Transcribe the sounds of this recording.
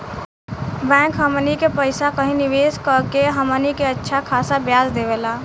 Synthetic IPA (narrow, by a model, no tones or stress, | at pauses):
bɛ̃ŋkɦəmənikepəɪsakəɦĩniʋeskəkeɦəmənikeətːʃʰakʰasabjasd̪ebela